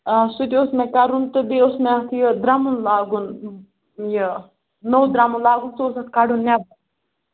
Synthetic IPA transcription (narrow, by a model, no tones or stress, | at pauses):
asut̪ʲiosmẽkaɾunt̪ɨbiosmeat̪ʰjəd̪ɾamunlaːɡun | jə | nəwd̪ɾamunlaːɡunsoːsɐt̪kaɽunnʲabu